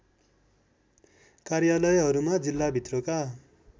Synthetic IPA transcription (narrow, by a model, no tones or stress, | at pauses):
karjalʌjɦʌɾumad͡zilːabʱit̪roka